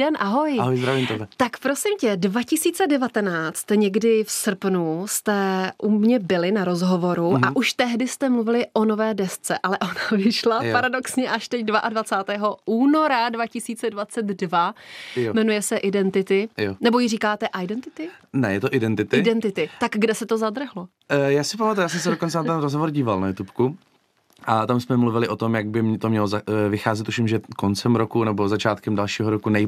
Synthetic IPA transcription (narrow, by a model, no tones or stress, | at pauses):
ɛnʔaɦo̞jɦojzɾavimot̪akpɾo̞sɪmcɛdvacɪsiːt͡sɛdɛvat̪ɛnaːt͡st̪ɲɛɡdɪfsr̩pnust̪ɛʔumɲɛbɪlɪnaɾo̞zɦo̞vo̞ɾuaʔuʃt̪ɛɦdɪst̪ɛmluvɪlɪʔo̞no̞vɛːdɛst͡sɛʔalɛʔo̞navɪʃlapaɾado̞ksɲɛʔaʃt̪ɛcdvaʔadvat͡saːt̪ɛːɦo̞uːno̞ɾadvacɪsiːt͡sɛdvat͡sɛt̪dvajomɛnujɛsɛʔɪdɛnt̪ɪt̪ɪjonɛbojɪriːkaːt̪ɛʔajdɛnt̪ɪt̪ɪnɛjɛt̪oʔɪdɛnt̪ɪt̪ɪɪdɛnt̪ɪt̪ɪt̪aɡɡdɛsɛt̪o̞zad̪r̩ɦlo | jaːsɪpamat̪ujaːs̬ɛms̬ɛdokont͡sɛnat̪ɛnɾozɦovoɾɟiːvalnajut̪upku | ʔat̪amsmɛmluvɪlɪʔo̞t̪o̞mjaɡ̚bɪmt̪omɲɛlozavɪxaːzɛt̪uʃɪmʒɛkont͡sɛmɾokunɛbozat͡ʃaːt̪kɛmdalʃiːɦoɾokunɛ